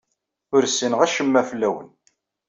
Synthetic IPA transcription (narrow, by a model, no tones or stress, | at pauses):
ʊɾsənʁæʃəmːæflːæwə̰n